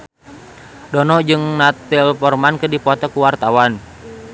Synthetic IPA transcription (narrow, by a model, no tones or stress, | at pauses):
dɔnɔd͡ʒɨŋnat̪ɪlpɔrmankədipɔt̪ɔkuwart̪awan